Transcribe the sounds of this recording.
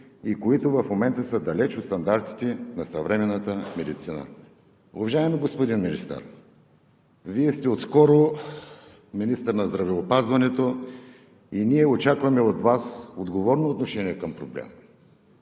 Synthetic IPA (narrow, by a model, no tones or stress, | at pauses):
ikoit̪ʊvɐfmomɛnt̪əsəd̪ɐlɛt͡ʃot̪st̪ɐnd̪aɾt̪i̥t̪ɛnɐsɐvɾɛmɛnːət̪əmɛd̪it̪sinə̰ | ʊvɐʒaɛmɛɡospʊd̪inminist̪ə̰ɾ | viɛst̪ɛot̪skɔɾo | minist̪əɾnɐzd̪ɾɐvɛopazvɐnɛt̪o | iniɛot͡ʃakvɐmɛot̪vasod̪ɡovɔɾnoːt̪noʃɛniɛkɐmpɾoblɛ̰m